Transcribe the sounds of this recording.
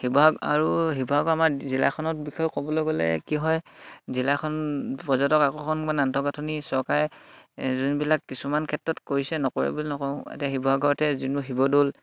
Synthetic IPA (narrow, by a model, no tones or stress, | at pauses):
hibɔɦaɡa̰ɹuɦibɔɦaɡɔamaɹzila̰kʰɔnɔt̚bixʰɔjkɔbɔloɡolɛ̰kiɦɔjzilakʰɔnpɔzɔntɔkakɔkʰɔnmanantʰɔɡatʰɔnisɔɹkaɹɛ | zunbilakːisumankʰɛtɹɔtkoɹisɛnɔkoɹḭbulnɔkɔ̃ḛtiaɦibɔɦaɡʱɔɹɔtɛzinuɦibɔdol